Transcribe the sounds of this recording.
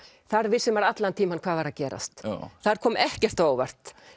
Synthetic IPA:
θaɾvɪsːʏmvaɾat̪lant̪ʰiːmankʰvaːðvaɾacɛːɾa̰st̪θaɾ̥kʰɔːmʔɛhcɛr̥t̪aːwvɛr̥t̪

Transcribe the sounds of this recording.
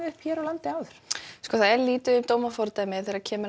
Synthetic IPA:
ʏhpʰçɛːɾɔwlant̪ɪaːwðʏɾ̥skɔːθaðɛɾliːt̪ʏʏmt̪oːwmafɔɾt̪amɪθɛːɾacʰɛːmʏ

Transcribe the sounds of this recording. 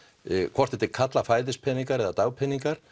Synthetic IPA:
kʰvɔr̥t̪ɛt̪ːɪkʰat̪lafaːjðɪspʰɛniŋkaɾɛðat̪aːwpʰɛniŋkaɾ̥

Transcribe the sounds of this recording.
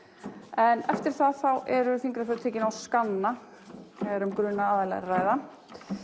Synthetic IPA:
ɛnɛft̪ɪɾ̥θaðθawɛɾʏfiŋkɾafœɾt̪ʰɛːcɪnawskanːa | ɛɾʏmkɾʏnaaːðalɛ̰ɾaːjða

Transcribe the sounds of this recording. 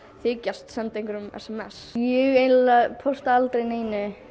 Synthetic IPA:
θɪːcast̪sɛmt̪ɪjŋkʏɾʏmɛ̰sɛmɛsjɛɣejnllaɣpʰowst̪aalt̪ɾejneːjnɪ

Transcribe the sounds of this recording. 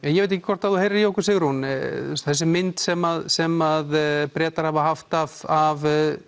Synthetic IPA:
ɛnjɛvejt̪̬ɛçcɪkʰvɔɾ̥t̪avðuhejɾɪɾjowkʏɾsɪɣɾunst̪θɛsːɪmɪnt̪sɛmaðsɛmaðpɾɛːt̪aɾhavaɦaft̪av̥av

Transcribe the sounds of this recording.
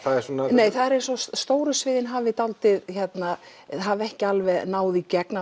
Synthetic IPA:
θaðɛɾsɔnanejjθaðɛɾɛɾsɔsst̪oːwɾʏsvɪːðɪnɦaːvɪt̪awlt̪ɪðçɛt̪na | ɦavɛhcɪalvɛðnaːwðicɛkna

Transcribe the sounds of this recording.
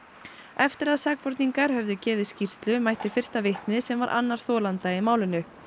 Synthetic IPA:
ɛft̪ɪɾaðsaːk̚pɔɾt̪niŋkaɾ̥hœvðʏcɛːvɪðscir̥st̪lʏmajht̪ɪfɪr̥st̪avɪht̪nɪsɛmvaɾʔa̰nːaɾ̥θɔːlant̪aɪmaːwlɪnːʏ

